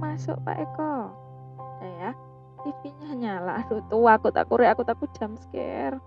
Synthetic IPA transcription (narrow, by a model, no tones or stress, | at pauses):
masʊ̰ʔpa̰ʔikɔ | jaja | t̪ifiɲaɦɲala̰ʔd̥ut̪uakut̪a̰kuɾɪakut̪aku̥d̥a̤mskɛ̰r